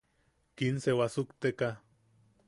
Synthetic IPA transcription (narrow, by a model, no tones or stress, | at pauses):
kinsewasukt̪eka